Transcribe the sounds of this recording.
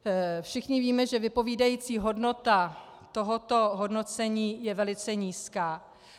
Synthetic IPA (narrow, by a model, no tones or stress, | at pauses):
fʃɪxɲɪviːmɛʒɛvɪpo̞viːdajiːt͡siːɦo̞dno̞t̪a | t̪o̞ɦo̞t̪o̞ɦo̞dno̞t͡sɛɲiːjɛvɛlɪt͡sɛɲiːskaː